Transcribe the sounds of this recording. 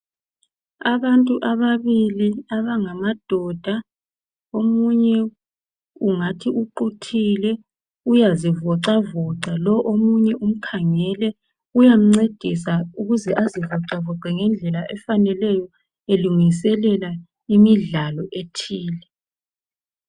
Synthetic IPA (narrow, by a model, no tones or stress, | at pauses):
aβantʼuʔaβaβiliaβaŋamad̥ʱɔd̥ʱa | omuɲɛ | uŋatʰiuǃutʰilɛ | ujazivɔǀavɔǀalɔʔomuɲɛʔum̩kʰaŋɛlɛ | ujam̩ŋ͡ǀed̥ʱisauɣuzɛʔazivɔǀavɔǀɛŋɛnd͡ɮʱɛlaʔɛfanɛlɛjɔ | eluŋisɛlɛla | imiɮalɔʔetʰiːlɛ